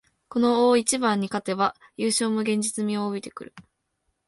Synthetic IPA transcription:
ko̞no̞oːit͡ɕibãɲ̟ːikat̪e̞βajɯːɕo̞ːmo̟ɡẽ̞ɲ̟d͡ʑit͡sɨmʲiooit̪e̞kɯ̟ɾɯ̟̰

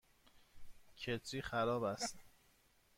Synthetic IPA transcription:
cʰet̪ʰɾiːxæɾɒːbæst̪

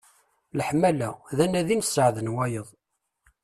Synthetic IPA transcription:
ləħmælæðænæðinsːəʕðənwæjəðˤ

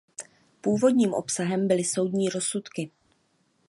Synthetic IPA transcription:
puːvo̞dɲiːmʔo̞̰psaɦɛmbɪlɪso̞wdɲiːɾo̞sut̪kɪ

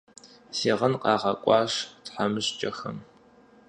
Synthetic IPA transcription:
siːʁɐnqɑːʁɐkʷʼɑːɕtħamɨɕt͡ʃʼɐxɐ̰m

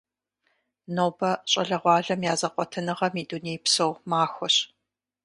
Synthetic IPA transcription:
noːbɐɕʼɐɮɐʁʷɑːɮɐmjaːzɐqʷɔtʰɨnɨʁɐmiːduneːjpsowmaːxʷɔɕ

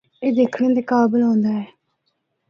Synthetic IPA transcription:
eːd̪eːkʰɽẽnd̪eːkaːbɪlɦõːnd̪aːɛː

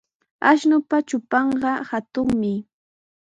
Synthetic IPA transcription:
a̰ʃnʊpat͡ʃʊpɑɴɢɑhat̪ʊŋmɪ

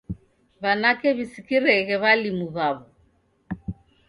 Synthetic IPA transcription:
βanakɛβisikiɾɛɣɛβalimuβaβɔ

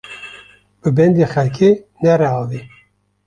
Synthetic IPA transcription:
b̥ɨbɛnd̪exɛlkʰenɛɾɛɑːvi

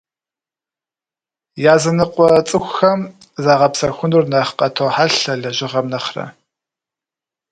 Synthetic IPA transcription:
jaːzɐnɨqʷʼɔt͡sʼɨxʷxɐm | zaːʁɐpsɐxʷʊnurnɐχqɐtʰowħaɬɐɮɐʒɪʁɐmnɐχrɐ̰

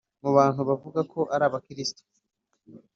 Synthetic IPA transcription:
muβaːn̥huβavuɡakʰo̞ʔaɾaːβakiɾisi̥to̥

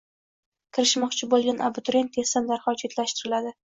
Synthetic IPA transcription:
kʲʰɪɾɪʃmɒqt͡ʃʰɪbolˠɡʲanʔabʊt̪ɾe̞nt̪ʰesand̪aɾχɒt͡ʃʰet̪ʰlaʃt̪ɪɾɪlad̪ɪ

